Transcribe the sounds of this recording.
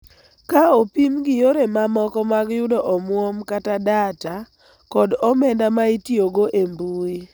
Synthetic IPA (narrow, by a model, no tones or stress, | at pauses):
kaopimɡɪjoɾemamɔkɔmaɡjʊdɔʔɔmwomkatadata | kɔdɔmɛndamaitjoɡoʔembui